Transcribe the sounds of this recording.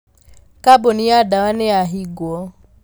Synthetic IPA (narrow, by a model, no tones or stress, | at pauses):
kaboniadawanɛaɦiɡwɔ